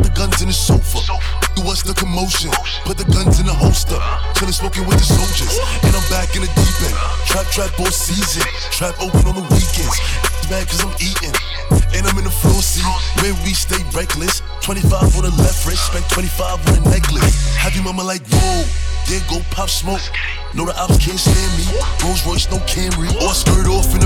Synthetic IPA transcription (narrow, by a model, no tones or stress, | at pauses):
ðɨɡʌ̃nzɨ̃nɨsoʊfə˞ | ðəwʌsðəkʰəmoʊʃɨ̃n̩ | pʰʊt̪̚ðɨɡʌ̃nzɨ̃nðəɦoʊstəlˠtʰʌ̃ɨsmoʊkɪ̃ŋwɨðɨsoʊlˠd͡ʒə˞z̥ | ɨ̃nãɪ̃mbækɨ̃nɨdipɛ̃ntʰɹ̥aɪtʰɹ̥æk̚b̥ɔsizɨ̃n | tʰɹ̥æp̚oʊpɨ̃nə̃nðəwikɛ̃ndz̥ðəmbænkʰʌzãɪ̃miɾɪ̃ŋ | ɨ̃nãɪ̃mɨ̃nəflɔsiwɨ̃wisteɪbɹɛɪklɨs | tʰw̥ɛ̃ɾ̃ifaɪvə̃nəlɛfɹɪsspɛ̃ntʰwɛ̃ifaɪvə̃nənɛɡlɨhɨvɨ̃mʌ̃məlaɪk̚noʊðɨ̃nɡoʊpʰafsmoʊk̚ | noʊɾəʔafkʰɛ̃nstɛmiɡ̥oʊzɹɔɪt͡ʃnoʊkʰɛ̃mɹiəskɜɹɪɾɔfɨ̃n